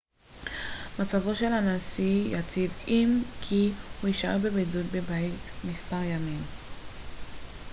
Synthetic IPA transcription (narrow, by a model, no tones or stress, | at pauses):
mat͡savo̞ʃe̞lanasijat͡sivimkʰihuiʃaʁbebedut̚bebajtmispaʁjamim